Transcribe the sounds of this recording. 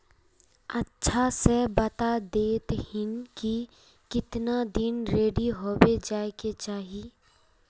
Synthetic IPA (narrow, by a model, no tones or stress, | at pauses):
ɐtːʃʰasebɐt̪ad̪eːt̪hɪnki | kɪt̪nad̪ɪnɾeːɖiɦoːbed͡ʒaːeket͡ʃaːɦi